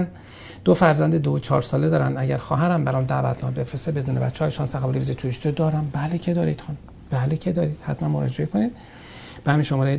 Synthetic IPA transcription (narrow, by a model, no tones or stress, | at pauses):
n | d̪̥ofæɾzænd̪ed̪ot͡ʃʰɒːɾsɒːle̞d̪ɒːɾænd̪æɟæɾxɒːɦæɾæmbæɾɒmd̪æ̰ːvæ̰t̪ʰnɒ̰be̞fɾesebe̞d̪uːne̞bæ̰t̪ʰːeɒːjeʃɒnsæxæbliɾizet̪ʰuːɾist̪iod̪ɒːɾæmbælecʰed̪ɒːɾḭd̪xn | b̥ælecʰed̪ɒːɾiːd̪̥hæt̪ʰmænmoɾɒ̰ːd͡ʒe̞ekʰo̞niːd̪̚ | b̥ehæmiːnʃomɒːɾej